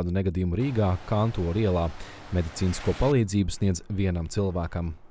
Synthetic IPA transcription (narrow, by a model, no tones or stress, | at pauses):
d̪unɛɡad̪iːjumuɾiːɡaːkant̪uɔɾiɛlˠaː | med̪it̪siːniskuɔpalˠiːd̪ziːbusniɛd̪zviɛnamt̪silˠʋæːkɐm